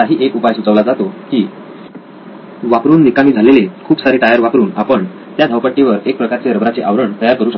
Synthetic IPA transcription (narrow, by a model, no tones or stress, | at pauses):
aɦiːʔekupajsut͡səʋlad͡zat̪okiː | ʋapɾuːnːikamiːd͡zʱalelekʰuːpsaɾiːʈajəɾʋapɾuːnapəɳ | t̪jad̪ʱəwpəʈːiʋəɾek̚pɾəkaɾt͡seɾəbɾat͡seʔaʋɾəɳt̪əjaɾkəɾuːɕə